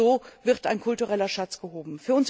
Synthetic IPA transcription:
oːvɪʁta̰ɪnkʰʊltuʁɛlɐʃat͡sɡ̥əɦoːbm̩fyːɐʊns

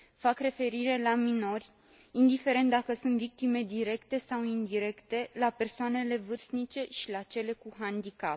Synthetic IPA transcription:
fakre̞fe̞ɾiɾe̞lamino̞rʲ | ind̪ife̞ɾent̪̚d̪akəsunt̪vik̚t̪ime̞d̪iɾe̞kt̪e̞sawind̪iɾe̞kt̪e̞lape̞rsoane̞le̞vɨrst̪nit͡ʃe̞ʃilat͡ʃe̞le̞kuɦand̪ikap

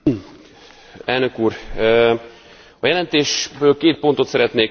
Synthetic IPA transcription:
ɛlnøkuːɾ | ɒjɛlɛnt̪eːʃbøːlkeːt̪̚po̞nt̪o̞t̪sɛɾɛt̪neː

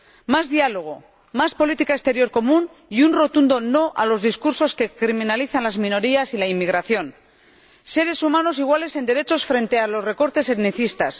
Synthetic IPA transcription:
mazðialo̞ɣ̞o̞ | maspo̞lit̪ikaest̪e̞ɾjo̞ɾko̞mũn | iunro̞t̪und̪o̞no̞ʔalo̞zðiskuɾso̞ske̞kɾiminaliθanlazmĩno̞ɾiasilaimːiɣ̞ɾaθjo̞n | se̞ɾe̞sumano̞siɣwale̞se̞nd̪e̞ɾe̞t͡ʃo̞sfɾe̞nt̪e̞alo̞sre̞ko̞ɾt̪e̞seβniθist̪as

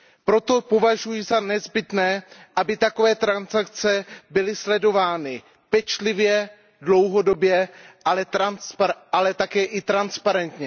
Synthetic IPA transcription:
pɾo̞t̪o̞po̞vaʒujɪzanɛzbɪt̪nɛːʔabɪt̪ako̞vɛːt̪ɾansak̚t͡sɛbɪlɪslɛdo̞vaːnɪ | pɛt͡ʃlɪvjɛ | dlo̞wɦo̞do̞bjɛʔalɛt̪ɾanspalɛt̪akɛːʔɪt̪ɾanspaɾɛnt̪ɲɛ

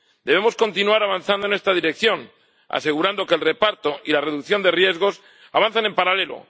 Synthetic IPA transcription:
d̪̥eβe̞mo̞sko̞nt̪inuaɾaβ̞anθand̪onest̪aðiɾe̞k̚θjo̞n | a̰se̞ɣ̞uɾand̪o̞ke̞lre̞paɾt̪o̞ilare̞ðukθjo̞nd̪e̞rje̞zɣ̞o̞s | aβ̞an̟θane̞mpaɾale̞lo̞̰

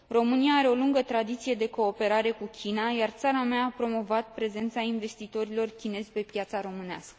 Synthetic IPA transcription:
ro̞mɨniaːɾe̞o̞luŋɡət̪ɾad̪it̪sije̞d̪e̞ko̞ːpe̞ɾaɾe̞kukʲinajart̪saɾameaːpɾo̞mo̞vat̪̚pɾe̞ze̞nt̪sainve̞st̪it̪o̞ɾilo̞rkʲine̞zʲpe̞pjat̪saɾo̞mɨnea̰skə̥

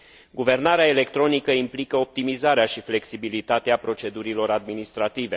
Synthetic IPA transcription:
ɡuve̞rnaɾeaele̞k̚t̪ɾo̞nikəimplikəop̚t̪imizaɾeaʃifle̞ksibilit̪at̪eapɾo̞t͡ʃe̞d̪uɾilo̞ɾad̪minist̪ɾat̪ive̞

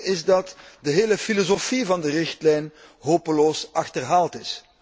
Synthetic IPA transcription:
ɪzdɑtdəɦeːləfilozofivɑndərɪxtlɛjn | ɦoːpəloːsɑxtərɦaːlˠtɪs

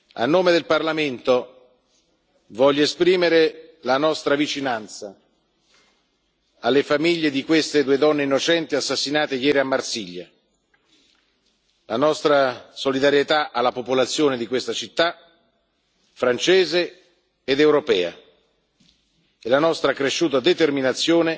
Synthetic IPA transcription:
a̰nːoːmed̪elparlament̪o | vɔʎːoespɾiːmeɾelanɔst̪ɾavit͡ʃinant̪sa | alːefamiʎːed̪ikwest̪ed̪ued̪ɔnːeinːot͡ʃɛnt̪iasːasːinaːt̪ejɛːɾiamːarsiʎːa | lanɔst̪ɾasolid̪aɾjet̪aʔalːapopolat̪sːjoːned̪ikwest̪at͡ʃit̪ːa | fɾant͡ʃɛːzeː | d̪ewɾopɛːa̰ | elanɔst̪ɾakɾeʃːuːt̪ad̪et̪erminat̪sːjoːne

